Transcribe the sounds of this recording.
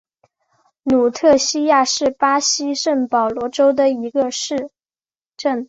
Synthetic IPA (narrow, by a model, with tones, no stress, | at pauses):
nu˨˩t̪ʰɤ˥˧ɕi˥ja˥˧ʂɻ̩˥˩pa˥ɕi˥ʂə˥˩ŋpɑ˨˩ʊlwɔ˧˥ʈ͡ʂo˥ʊd̪ə˨i˧˥ɡə˧ʂɻ̩˥˩˧ | ʈ͡ʂə˥˩ŋ